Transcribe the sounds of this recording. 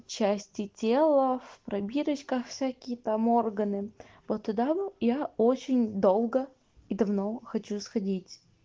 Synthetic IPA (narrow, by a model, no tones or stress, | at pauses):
t͡ɕæsʲtʲɪtʲelˠəfpɾɐbʲiɾət͡ɕkəxfsʲækʲɪjət̪amo̞rɡənɨ | vot̪ːʊd̪abɨjaot͡ɕɪnʲd̪o̞lˠɡə | id̪ɐvno̞xɐt͡ɕusxɐdʲitʲ